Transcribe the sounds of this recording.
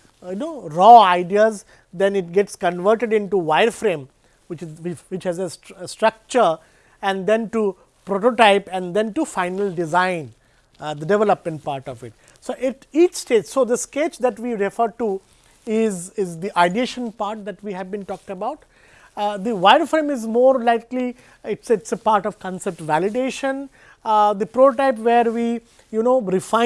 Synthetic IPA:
jnoːɾɔːaɪɖiəz | d̪ɛ̃nɪʈ̚ɡɛʈskə̃nʋəːɾʈeɖɪ̃nʈuʋaɪəɾfɾẽːm | ʋɪt͡ʃʋɪt͡ʃhæzessʈɾʌk̚t͡ʃəɾ | ɛ̃nɖd̪ɛ̃nʈu | pɾoʈoʈaɪpɛ̃nd̪ɛ̃nʈufãɪnəlɖɪzãɪ̃n | d̪əɖɛʋɛləpmɛ̃ɳʈ̚paːɾʈɔfɪʈ | soːʔɪʈiːt͡ʃsʈeːd͡ʒsoːd̪əskeːt͡ʃd̪æʈʋiːɾɪfəɾʈu | ɪzɪzd̪iʔaɪɖieːʃə̃npaːɾʈ̚d̪æʈʋiɦæʋbĩːnʈɔːkəbaʊʈ | d̪iʋaɪɖfɾẽmɪzmoːɾlaɪkli | ɪʈsɪʈsəpaːɾʈɔʋkɔ̃nsɛp̚ʈʋælɪɖeːʃə̃n | d̪ipɾoːʈoʈaɪpʋeːɾʋiː | junoːɾɪfãɪ̃

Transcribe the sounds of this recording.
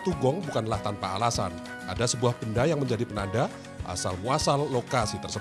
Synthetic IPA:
t̪uɡɔŋbukanlaht̪anpaːlasa̰n | ʔa̰dasəbuahpəndajaŋməɲd͡ʒadipənada | ʔa̰salmuasalːokasit̪ərsə

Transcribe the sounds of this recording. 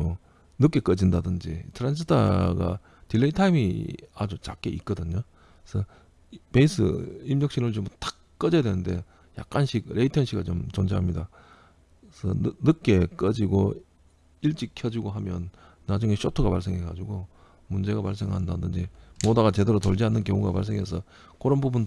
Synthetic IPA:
o | nɯk͈e̞k͈ʌd͡ʑindadɯnd͡ʑḭtʰɯɾansʰitʰa̰ɡa̰ | tilːeitʰaimḭad͡ʑut͡ɕak͈eʔik͈̚ʌdɯɲo | sʰʌ | pe̞is͈ʰɯ̰imɲʌk̚ɕ͈inɯɭt͡ɕomtḁ | k͈ʌd͡ʑeadwe̞nɯnde̞ | ja̰k͈̚anɕʰik̚ɾe̞itʰʌnɕʰiɡat͡ɕomt͡ɕond͡ʑeɦamɲida | sʰʌ̰nɯk̚k͈e̞k͈ʌd͡ʑiɡo | iɭt͡ɕ͈ikʰjʌd͡ʑiɡoɦamjʌnː | ad͡ʑuŋe̞ɕʰotʰuɡapaɭs̬͈e̞ŋɦeɡa̰d͡ʑuɡo | mund͡ʑe̞ɡapaɭs̬͈e̞ŋɦandadɯnd͡ʑimodaɡat͡ɕe̞deɾotoʎd͡ʑianːɯnkjʌŋuɡa̰pa̰ɭs̬͈e̞ŋɦe̞sʰʌ | koɾʌnbubun

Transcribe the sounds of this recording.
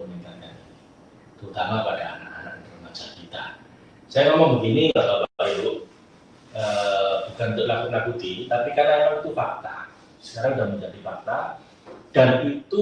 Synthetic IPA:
əniŋt̪akanii | t̪əut̪amapad̥a̰ːnaʔa̰nak̚t̪ələmḁd͡ʒakit̪a̰ | sajamemaŋbəɡ̪inibababapajʊʔ | əb̥ukant̪əlakulakud̪init̪apikarnalaut̪ufar̚t̪a | sə̥kaɾaŋdaməɲd͡ʒadifar̚t̪a | d̥anit̪u

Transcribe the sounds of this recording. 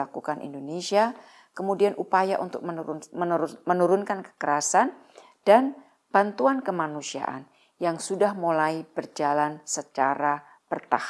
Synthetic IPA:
akukanʔḭndonesia | kəmudianʔupajaʔunt̪ʊk̚m | mənuɾʊnkankə̥kəɾasan | d̥an | b̥ant̪uankəmanusia̰ʔa̰n | jaŋsudahmulaib̥ərd͡ʒalansət͡ʃaɾa | b̥ərt̪ah

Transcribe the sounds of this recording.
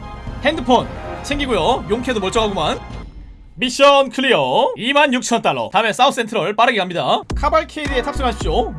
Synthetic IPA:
he̞ndɯpʰont͡ɕʰe̞ŋɡiɡojojoŋkʰe̞domoɭt͡ɕ͈ʌŋaɡoman | miɕ͈ʌnkʰɯɾijʌimanjuk̚t͡ɕʰʌnt͈aɭːʌ̰tames͈aupʰs͈e̞ntʰɯɾʌɭp͈aɾɯɡeɦamɲidakʰabaɭkʰeidie̞tʰap̚s͈ɯŋɦaɭɕ͈o

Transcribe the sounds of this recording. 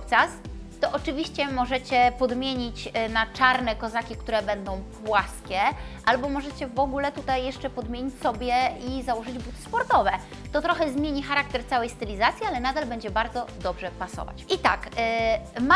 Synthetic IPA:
pt͡ʂas | t̪ɔʔɔt͡ʂɘvʲiɕt͡ɕɛmɔʐɛt͡ɕɛpɔd̪mʲjeɲit͡ɕnat͡ʂaɾnɛkɔzakʲikt̪uɾɛbɛnd̪ɔ̃w̃pwaskʲɛʔalbɔmɔʐɛt͡ɕɛvɔɡulɛt̪ut̪ajːɛʂt͡ʂɛpɔd̪mʲeɲit͡ɕʲsɔbʲjɛizawɔʐɘd͡ʑbut̪ɘ̥spɔɾt̪ɔvɛ | t̪ɔt̪ɾɔxɛzmʲjeɲixaɾak̚t̪ɛɾt̪sawɛjst̪ɛlʲizat̪sʲjialɛnad̪albɛɲd͡ʑɛbaɾd̪zɔd̪ɔbʐɛpasɔ̰va̰t͡ɕʔit̪a̰k | ma

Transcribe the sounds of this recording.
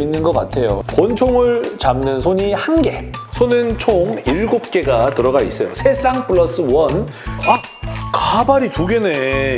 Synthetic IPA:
inːɯnɡʌk͈a̰tʰe̞jo̰kwʌnt͡ɕʰoŋɯɭt͡ɕamnɯnsʰoɲihanɡe̞sʰonɯnt͡ɕʰoŋiɭɡop̚k͈e̞ɡatɯɾʌɡais͈ʌjo̰sʰe̞s͈aŋpʰɯɭːʌs͈ɯwʌna | kabaɾituɡe̞ne̞

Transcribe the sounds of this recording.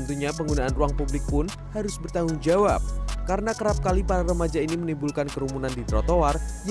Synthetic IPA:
ənt̪uɲapəŋɡunaʔːnruaŋpublɪk̚pʊn | haɾʊsbərt̪aŋʊŋd͡ʒawa̰p̚kaɾənakəɾap̚kalipaɾaɾəmad͡ʒainimənimbulkankəɾumunandit̪ɾɔt̪owarj

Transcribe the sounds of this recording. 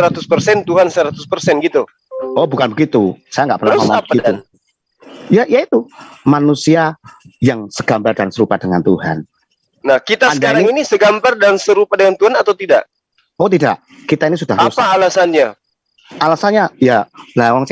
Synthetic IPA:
əɾat̪ʊspərsɛnt̪uɦansəɾat̪ʊspərsɛnɡit̪u | ɔbukanbəɡit̪usajaŋɡaʔpərnamamaabpəəitu | jaʔjait̪umanusiajaŋsəɡ̥ambardansəɾupadəŋant̪uha̰n | nahkit̪aanədkaɾaŋinisəɡambardansəɾupadəŋant̪uhanat̪awt̪idaʔ | ot̪̬ida̰ʔ | kit̪ainisudaʊspaːlasanɲa | alasanɲajalawaŋs

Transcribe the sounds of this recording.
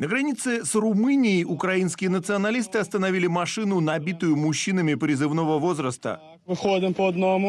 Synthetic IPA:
nəɡɾɐnʲit̪sɨsrʊmɨnʲɪjʔʊkɾɐinskʲɪjənət̪sɨɐnɐlʲist̪ɨɐst̪ənɐvʲilʲɪmɐʂɨnʊnɐbʲit̪ʊjʊmʊɕːinəmʲɪpɾʲɪzɨvno̞vəvo̞zɾəst̪ə̰ | vɨxod̪əmpəɐd̪nomʊ

